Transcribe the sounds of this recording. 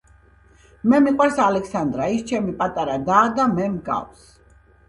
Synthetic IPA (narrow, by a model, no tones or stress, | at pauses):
mɛmiqʼwaɾsalɛkʰsand̪ɾaist͡ʃʰɛmipʼat̪ʼaɾad̪aːd̪amɛmɡa̰ws